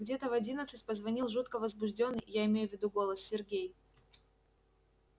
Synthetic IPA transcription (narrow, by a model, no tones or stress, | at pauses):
ɡdʲe̞t̪əvɐdʲinət̪sɨtʲpəzvɐnʲilˠʐut̪kəvəzbʊʐdʲo̞nːɨjjaɪmʲejʊvʲːɪd̪uɡo̞lˠəsːʲɪrɡʲej